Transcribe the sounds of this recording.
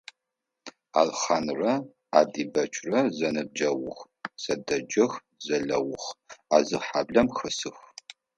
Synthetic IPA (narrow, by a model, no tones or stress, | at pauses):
a̰ːlχanrɐ | a̰ːdiːbɐt͡ʃʰʼrɐzɐnɨb̚d͡ʒɐwʊx | sɐdɐd͡ʒɐx | zɐɮɐwʊχaːzɨħaːbɮɐmxɐsɨx